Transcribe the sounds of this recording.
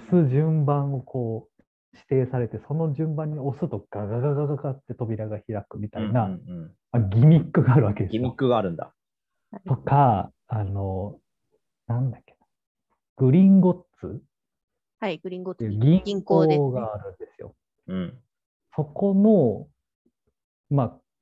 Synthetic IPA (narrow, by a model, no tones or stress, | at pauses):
osɨʑɨ̃mbãɰ̃o̞kʰo̞ː | ɕi̥t̪e̞ːsaɾe̞t̪e̞so̞no̞ʑɨ̃mbãɲ̟ːio̞sɨt̪o̞ɡ̥aɡaɡaɡaɡaɡat̪ːe̞t̪o̞bʲiɾaɡaçiɾakɯ̟mʲit̪aina | aɡʲimʲikːɯ̟ɡaːɾɯ̟βake̞d̪e̞ikːɯɡaːɾɯ̟̃nd̪a̰ | t̪o̞kʰa | ano̞ | nãnd̪akʲːe̥nḁ | ɡ̥ɯ̟ɾʲĩŋɡo̞t͡sɨ | t̪ːeɡʲĩŋkoːɡaːɾɯ̟̃nd̪e̞sɨjo̞̰ | so̞ko̞no̞ | ma